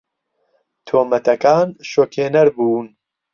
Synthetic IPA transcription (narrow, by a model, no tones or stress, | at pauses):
t̪ʰoːmɐt̪ʰɐkaːnʃoːkʰeːnɐɾbuːn